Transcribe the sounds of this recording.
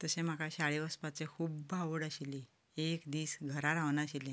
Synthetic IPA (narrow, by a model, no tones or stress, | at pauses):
t̪əsẽm̤akʰaɕaɭeʋəspat͡sekʰuːbbʱaʋəɽəɕili | ekd̪iːsɡʱəɾaɾaʋnaɕilẽ